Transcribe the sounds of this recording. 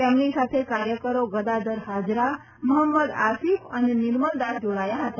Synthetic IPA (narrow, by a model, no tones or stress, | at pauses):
emnisat̪ʰekaɾjəkəɾoɡəd̪ad̪əɾɦad͡ʒɾa | məɦəmːəd̪asifənenɪɾməld̪aɾd͡ʒoɽajaɦət̪a